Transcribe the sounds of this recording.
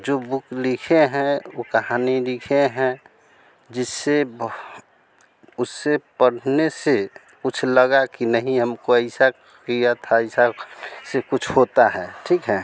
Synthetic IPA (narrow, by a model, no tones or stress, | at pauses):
d͡ʒobʊklikʰeɦɛ̃okəɦaːnilikʰeɦɛ̃ | d͡ʒɪsːe | ʊsːepəɽ̤nese | kʊt͡ʃʰləɡakinəɦĩɦəmkoəɪsa | kijat̪ʰaəɪsasekʊt͡ʃʰɦot̪aɦɛʈʰikɦɛ